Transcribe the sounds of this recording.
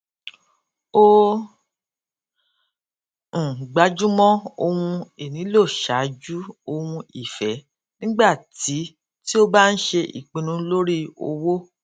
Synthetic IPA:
o˧˨ | ɡ͡ba˨˦d͡ʒu˦mɔ̃˦o˧wũ˧e˨nĩ˨˦lo˦˨ʃa˨˦d͡ʒu˦o˧wũ˧i˨fɛ˨˦ | nĩ˦ɡ͡ba˦˨ti˨˦ | ti˦o˦ba˦n̩˦ʃe˧ʔḭ˨k͡pĩ˧nũ˧˦lo˦ɾi˦o̰˧wo˦

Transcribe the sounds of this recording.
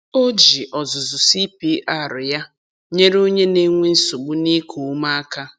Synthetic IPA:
o˦d͡ʒi˨ʔɔ˨zʊ˨zʊ˨si˦pi˦ʔa˦˨ɾʊ˨ja˦ | ɲe˦ɾo˦ɲe˦ne˦ŋʷe˦n̩˦sʊ˨ɡ͡bu˦ni˦kʰu˨˦ma˦a˦ka˦

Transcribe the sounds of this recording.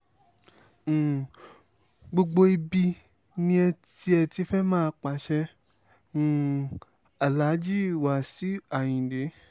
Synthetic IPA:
ɡ͡bo˧ɡ͡bo˧i˧bi˧ | nĩ˧ɛ˧tti˧˦ɛ˧ti˧˦fɛ˦mãː˦˧˦k͡pa˨ʃɛ̃˧˨ | a˨la˨˦d͡ʒi˦˨wa˨si˨˦a˨j̃ĩ˨de˨˦

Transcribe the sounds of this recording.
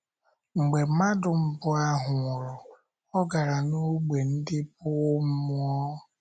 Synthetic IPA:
ŋ͡m̩˨ɡ͡be˨˦ma˦dʊ˨m̩˦bʊ˨a˦ɦʊ˨ʊ˨ɾɔ˨ | ɔ˦ɡa˨ɾa˨no˦ɡ͡be˨n̩˦dɪ˦p̚ʊ˦m̩˦mʊ˦ɔ˦

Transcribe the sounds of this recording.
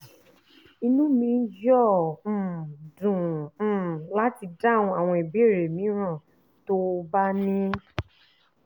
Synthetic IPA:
i˧nũ˦mĩ˧n̩˦d͡ʒɔ̃˦˨ | dũ˨˦˨ | la˦ti˧da˦˨w̃ɔ̃˧a˨w̃ɔ̃˧i˨bi˦e˦˨ɾe˨mĩ˨˦ɾ̃ã˦˨ | to˦ba˦nĩ˦

